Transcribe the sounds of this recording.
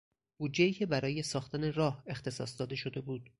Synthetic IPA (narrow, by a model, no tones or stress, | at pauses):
b̥uːd̪d͡ʒːeiːcʲʰe̞bæɾɒːje̞sɒːxt̪ʰæne̞rɒːhe̞xt̪e̞sɒ̰ːsd̪ɒːd̪e̞ʃo̞d̪e̞buːd̪̥